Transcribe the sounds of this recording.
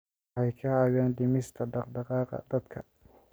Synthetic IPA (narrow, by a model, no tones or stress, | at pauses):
ɑjkʰɐaːɣaːnɖɪmɪst̪ʰɐɖɑqɖɑqɑːqɑ̰d̪̥ɐd̪kʰɐ